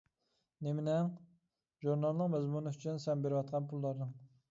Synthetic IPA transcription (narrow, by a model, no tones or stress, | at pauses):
nemɪnɛŋ | ʒuɾnɑlˠnɨŋmɛzmunyyt͡ʃʰynsɛmbeɾɪwɑt̪̚qʰɑnpʰulˠːɑɾnɨŋ